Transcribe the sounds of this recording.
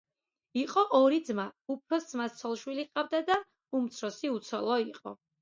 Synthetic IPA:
iqʼɔʔɔɾid̪zmaup̚ʰɾɔsd̪zmast̪sʰɔlˠʃwiliqʼavd̪ad̪a | umt̪sʰɾɔsiut̪sʰɔlˠɔiqʼɔ̰

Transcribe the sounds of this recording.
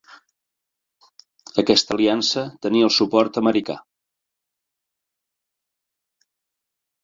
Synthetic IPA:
əkɛst̪əliansət̪əniəlˠsupɔɾt̪əməɾika̰

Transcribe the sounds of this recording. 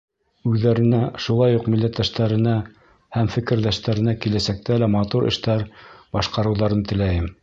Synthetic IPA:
ʉðːæɾɘ̆næʃulˠɑjuqmilːæt̪ːæʃt̪æɾɘ̆næ | hæmfɘ̆kɘ̆ɾðæʃt̪æɾɘ̆nækilæsæk̚t̪ælæmɑt̪uɾʔɘ̰̆ʃt̪æɾbɑʃqɑɾɤ̆wðɑɾɤnt̪ɘ̆læjɘm

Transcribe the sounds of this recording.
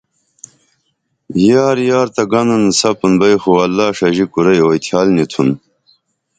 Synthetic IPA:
jaːɾjaːɾt̪ɐɡɐnɐnsɐpunbɐjxuɐlːaːʂɐʑikuɾɐjoːjt̪ʰjaːlnit̪ʰun

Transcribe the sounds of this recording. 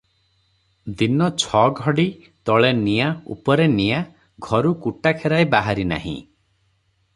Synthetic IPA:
d̪inɔt͡ʃʰɔɡʱɔɽi | t̪ɔɭenijaṵpɔɾenija | ɡʱɔɾukuʈakʰeɾaebaɦaɾina̰ɦḭ̃

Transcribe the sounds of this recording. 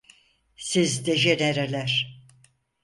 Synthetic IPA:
sizd̪ed͡ʒeneɾelʲæɾ̥

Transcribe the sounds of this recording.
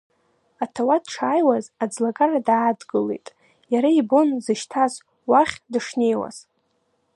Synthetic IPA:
atʰawadʈ͡ʂʰaːjwazad͡zlaɡʼaradaːdɡɨle̞̰jtʼ | jaɾaibo̞nzɨʃtʰaz | waχʲdɨʂne̞jwa̰z̥

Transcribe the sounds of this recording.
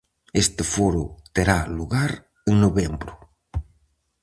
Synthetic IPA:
est̪ɪfoɾʊt̪eɾaluɣaɾ | eŋnoβembɾʊ

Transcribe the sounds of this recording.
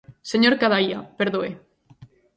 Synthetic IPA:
seɲoɾkaðaiapeɾðoe

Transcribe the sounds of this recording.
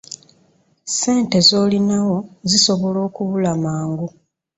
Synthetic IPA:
se̞ːnte̞zo̞ːlinawo̞ziso̞βo̞lo̞ːkuβulamaːŋɡu

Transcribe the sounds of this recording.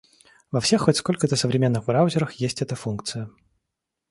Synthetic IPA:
vɐfsʲe̞xːotʲskolʲkət̪əsəvɾʲɪmʲe̞nːɨɣbɾaʊzʲɪɾəxjesʲtʲɛt̪əfunkt̪sɨjə

